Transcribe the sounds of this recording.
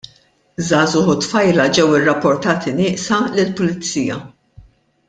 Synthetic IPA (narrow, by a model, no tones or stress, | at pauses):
zɐːzʊħʊt̪fɐjlɐd͡ʒɛwɪrːɐpːɔɾt̪ɐːt̪inɪːʔsɐlɪlpʊlɪt͡sːiːjɐ̰